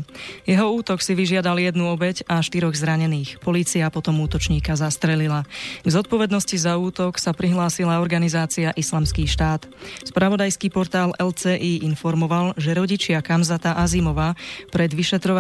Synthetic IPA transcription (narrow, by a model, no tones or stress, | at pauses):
jɛɦɔuːt̪ɔksiʋiʒɪad̪aljɛd̪nuɔbɛɟaʃt̪iɾɔɣzɾaɲɛniːxpɔliːt͡siapɔt̪ɔmuːt̪ɔt͡ʃɲiːkazast̪ɾɛlilaɡzɔt̪̚pɔʋɛd̪nɔscizauːt̪ɔksapɾiɦlaːsilaɔɾɡanizaːt͡siaʔislaːmskiːʃt̪aːt̪spɾaʋɔd̪ajskiːpɔɾt̪aːlɛlt͡sɛːʔiːʔinfɔɾmɔʋalʒɛɾɔɟit͡ʃɪakamzat̪aʔazimɔʋaːpɾɛd̪ʋiʃɛt̪ɾɔʋa